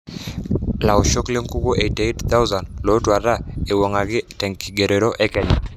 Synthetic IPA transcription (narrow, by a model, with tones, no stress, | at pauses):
la˨ɔ˨ʃo˦kle˦ŋku˦ko˦ʔe˨te˦tt̪a˦u˦za˨ndlo˨˦twa˨ɾa˦˨e˨wɔ˨ŋa˨kɪ˦tɛ˨ŋki˨ɡe˨ɾe˨ɾo˦ʔɛ˦kɛ˦ɲa˨